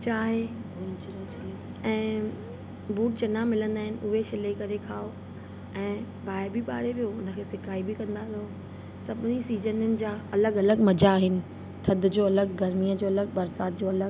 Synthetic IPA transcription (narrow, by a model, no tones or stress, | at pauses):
t͡ɕaːɦe | ɛ̃ː | buːʈ̚t͡ɕɐnamɪlə̃nd̪aːɦɪ̃nɪ̆ʔʊɦeʃɪlekɐɾekʰaːo | ɛ̃ː | baːɪɾbiɓaːɽeʋijoʊnə̆kʰeːsɪkaːibɪkɐ̃nd̪aɾɪo | sɐbɪnisiːzənʊnɪ̆d͡ʑaːɐləɡɐləɡmɐd͡ʑaːɦɪnɪ̆ | t̪ʰɐd̪ʊd͡ʑoːɐləɡɡɐɾmiːəd͡ʑoːɐləɡbɐɾsaːt̪̚d͡ʑoɐləɡ